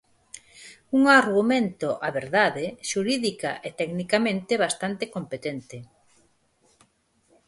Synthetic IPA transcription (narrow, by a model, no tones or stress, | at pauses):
uŋaɾɣumẽnt̪oʔaβeɾðaðeʃuɾiðika̰ʔet̪ɛknikamẽnt̪eβast̪ant̪ekompet̪ent̪ɪ